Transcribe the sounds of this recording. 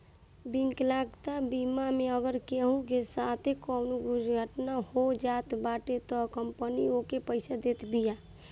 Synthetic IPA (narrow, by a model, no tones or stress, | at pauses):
biŋklaɡt̪abimameəɡəɾkeɦũkesat̪ʰekɔnuɡud͡ʒɡʱəʈnahod͡ʒat̪baʈet̪ɔkəmpəniokepəɪsad̪et̪bija